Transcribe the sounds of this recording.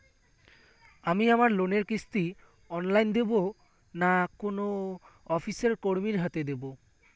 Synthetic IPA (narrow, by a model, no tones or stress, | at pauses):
amiamaɾloneɾkist̪i | ɔnlajnd̪ebo | nakono | ɔfʰiseɾkoɾmiɾɦat̪ed̪ebo